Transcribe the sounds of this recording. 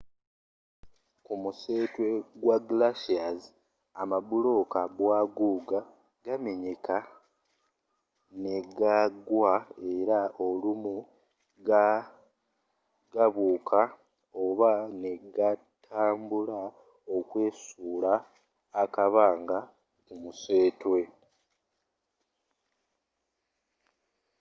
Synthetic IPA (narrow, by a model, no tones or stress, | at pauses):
kumuse̞ːtwe̞ɡwaɡlaʃiaz | amabulo̞kabwaɡuːɡa | ɡame̞ɲe̞ka | ne̞ɡaɡwae̞ɾao̞lumu | ɡa | ɡaβuːkʰa | o̞βane̞ɡatʰaːmbula | o̞kwe̞ːsuːlaː | kaβaːŋɡa | umuse̞ːtwe̞